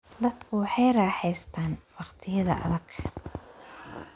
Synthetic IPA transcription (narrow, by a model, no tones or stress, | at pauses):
d̪ɐd̪kʰʊwɑħɑjɾɑːħɛjst̪ʰaːnwɑqt̪ʰɪjɐðɐ̰ʔɐ̰ðɐɡʰ